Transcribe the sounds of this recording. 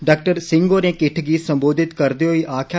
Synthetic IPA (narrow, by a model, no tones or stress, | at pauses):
ɖaːk̚ʈəɾsɪŋɡoːnẽːkɪʈʰɡiːsəmboːd̪ʱɪt̪kəɾd̪eːɦoiːʔaːkʰː